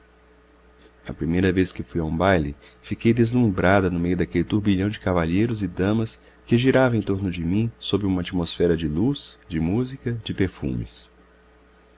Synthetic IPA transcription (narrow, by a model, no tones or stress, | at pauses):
ɐ̰pɾimejɾɐveskɪfujɐũbajlɪfikejd̪ezlũbɾad̪ɐnʊmejʊd̪akelɪt̪uɾbiʎɐ̃w̃d͡ʒɪkavaʎejɾʊzɪd̪ɐ̃mɐs | kɪʒiɾavɐẽt̪oɾnʊd͡ʒɪmĩsobɾɪũmɐat͡ʃimosfɛɾɐd͡ʒɪlusd͡ʒɪmuzikɐd͡ʒɪpeɾfṵ̃mɪ̰s